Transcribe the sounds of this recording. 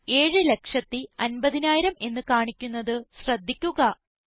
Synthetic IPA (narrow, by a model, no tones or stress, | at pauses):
e̞ːɻɨle̞kʂɐt̪ːiɐnbɐðinaːjiɾɐme̞nːɨkaːɳikʲːunːɐðɨɕrɐd̪ʱːikʲːuɣɐ